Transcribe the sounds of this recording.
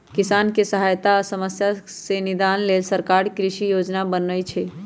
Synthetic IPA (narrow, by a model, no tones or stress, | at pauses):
kisankesəɦajt̪aːsəməsjasenid̪anlelsəɾkaɾkɾiʃijod͡ʒnabənəjt͡ʃʰɛ